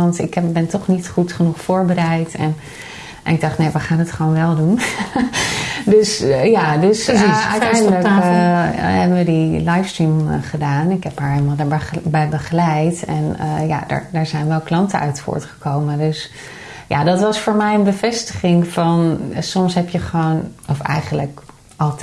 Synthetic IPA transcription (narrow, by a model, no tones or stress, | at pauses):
ɑntɪkɛbɛntɔχnitχutχənuχfʊːɹbəɾɛjtɛn | nɪɡ̚dɑχtnejʋəχaːnətχəʋonʋɛlˠdun | døsjadøsœ̰ɥtɛjndələk | ɦɛbənʋədilajfstɹimχədaːnɪkɦɛpɦaːɹɦelmalˠbɛjbəχəlɛjtɛnja̰də̰ɹdəɹzɛjnʋɛlˠklɑntəœ̰ɥtfʊ̰ːɹtχə̥kowməndøs | ja̰dɑtʋɑsfʊːɹmɛjənbəvɛstəχɪŋfɑnsɔmsɦɛpjəχəʋownɔfɛ̰jχənlək | ɑlˠt